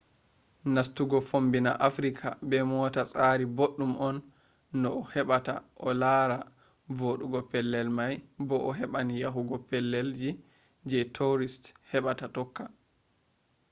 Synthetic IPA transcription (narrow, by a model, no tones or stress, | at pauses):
nastuɡɔfombina̰ʔafɾikʰa̰bɛmɔtasʼaːɾiboɗːumʔɔnː | ɔːhɛɓata̰ʔɔlaːɾa | voɗuɡɔpɛlːɛlmajbɔʔɔɦɛɓanijaɦuɡɔpɛlːɛld͡ʒi | d͡ʒɛtʰoɾisthɛɓatatɔkːa